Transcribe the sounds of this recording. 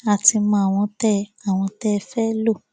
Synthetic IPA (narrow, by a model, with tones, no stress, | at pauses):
a˨ti˧mã˧˦a˨w̃ɔ̃˧tɛ˦a˨w̃ɔ̃˧tɛ˦˧fɛ˦lo˦˨